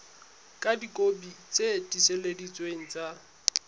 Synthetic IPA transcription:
kʼadikʼobit͡sʼediseledit͡sʼweŋ̩t͡sʼa

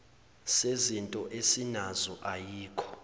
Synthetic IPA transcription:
sezintʼɔʔesinazɔʔajiːkʰɔ̥

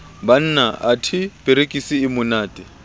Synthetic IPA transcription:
ban̩ːnaʔatʰɪpʼeɾekʼisɪːmʊnaːtʼɛ

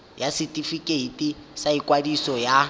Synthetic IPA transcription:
jasitʼifikʼeitʼisaikwadisɔja

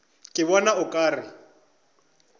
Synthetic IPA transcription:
kʼɪβɔnaʊkʼaːrɪ

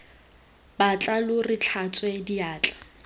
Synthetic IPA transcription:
bat͡ɬʼalʊrɪt͡ɬʰat͡sʼwediaːt͡ɬʼḁ

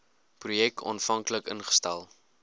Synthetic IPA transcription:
prujɛk̚tʰɔ̰nfɐŋkləkənχə̥stɛlˠ

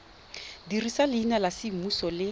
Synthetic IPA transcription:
dirisalɪinalasɪmusɔlɪ

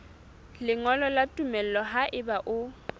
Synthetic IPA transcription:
lɪŋɔlɔlatʼumɛl̩lɔɦaʔɪbaʔʊ

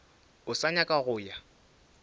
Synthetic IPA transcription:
ʊsaɲakʼaɣʊːja

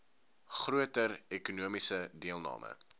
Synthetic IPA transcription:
χruətərɛkunuəmisədiəlˠnɑ̰ːmʔə̰

